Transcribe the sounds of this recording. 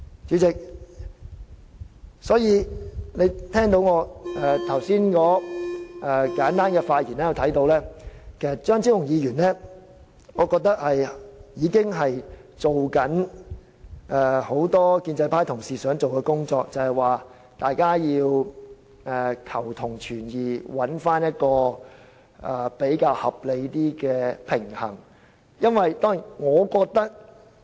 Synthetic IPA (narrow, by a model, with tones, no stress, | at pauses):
t͡ʃyː˨˥t͡sɪ˨k̚ | sɔː˨˥jiː˧ne˨˧jt̪ʰɛː˥ŋt̪o˨˧˥wŋɔː˨˧ɛ˨˧t̪ʰɐ˨˩wsiː˥nkɔː˨˥ʔɛ˨˧kaː˨˥nt̪aː˥nkɛ˧faː˧t̚jḭː˨˩nɛː˥ji˨˧wt̪ʰɐ˨˥jt̪o˨˧wlɛː˥kʰe˨˩jsɐ˨t̚t͡ʃœː˥ŋt͡sʰi˥wjʊ˨˩ŋjiː˨˧ɥyː˨˩nlɛː˥ | ŋɔː˨˧kɔː˧k̚t̪ɐ˥k̚hɐ˨jjiː˨˧kɪ˥ŋɦɐ˨jt͡ʃo˨wkɐ˨˥n | ɛː˧˩ho˨˥wt̪ɔː˥kiː˧nt͡sɐ˧jpʰaː˥jt̪ʰʊ˨˩ŋsiː˨sœː˨˥ŋt͡so˨wkɛ˧kʊ˥ŋt͡sɔː˧k̚t͡sɐ˨whɐ˨˩jwaː˨ | t̪aː˨jkaː˥jiː˧w | ɛː˨˧kʰɐ˨˩wt̪ʰʊ˨˩ŋt͡ʃʰyː˨˩njiː˨˩wɐ˨˥nfaː˥njɐ˥t̚kɔː˧ | ʔɛ˨˧pe˨˥jkaː˧whɐ˨p̚le˨˧jt̪iː˥kɛː˧pʰɪ˨˩ŋhɐ˨˩ŋ | jɐ˥nwɐ˨jt̪ɔː˥ŋi˨˩nŋɔː˨˧kɔː˧k̚t̪ɐ˥k̚